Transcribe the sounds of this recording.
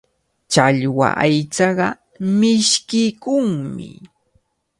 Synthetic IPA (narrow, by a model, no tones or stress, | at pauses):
t͡ʃaʎwa̰ʔajt͡sɑɢɑ | mɪʃkɪkʊŋmɪ